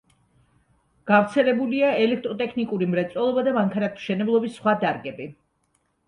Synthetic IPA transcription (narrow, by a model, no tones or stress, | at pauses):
ɡ̥afɾt̪sʰɛlɛbuliaɛlɛk̚ʰt̪ʼɾɔt̪ʼɛkʰnikʼuɾimɾɛt̪sʼɔlˠɔbad̪amaŋkʰanat̪ʰʃɛnɛblˠɔbisːχwad̪aɾɡɛbi